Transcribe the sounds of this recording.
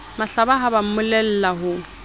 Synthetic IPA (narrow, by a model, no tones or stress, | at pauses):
maɬabaɦabam̩mʊlɛl̩laɦʊ